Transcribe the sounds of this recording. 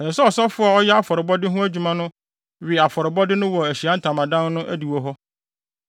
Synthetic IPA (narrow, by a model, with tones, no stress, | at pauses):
ɛ˨sɔ˦ɔ˨sɔ˦fʊ˦a˨ɔ˦jɛ˦a˦fɔ˨ɾɪ˨bɔ˦dɪ˦ɦʊ̃˦æ˦d͡ʑᶣu˨mã˦nʊ̃˦ | ɥɪ˨a˨fɔ˨ɾɪ˨bɔ˦dɪ˦nʊ̃˦wɔ˨æ˨ɕi˨a˦n̩˦tʰã˨mã˨dã˦n˦nʊ̃˦ʔæ̰˦di˨wɔ˦ɦɔ˦